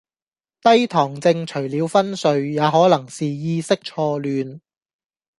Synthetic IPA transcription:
t̪ɐ˥jt̪ʰɔː˨˩ŋt͡sɪ˧ŋt͡ʃʰɵ˨˩ɥliː˨˧wfɐ˥nsɵ˨˧ɥjaː˨˧ɦɔː˨˥lɐ˨˩ŋsiː˨jiː˧sɪ˥k̚t͡ʃʰɔː˧lyː˨˧n

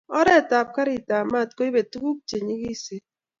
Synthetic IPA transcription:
ɔ˦ɾe˦˨ta˨p̚ka˦ɾi˨ta˨ma˦˨t̚ko˦i˦be˨tu˦ku˦p̚t͡ʃe˨ɲi˦ki˦se˦

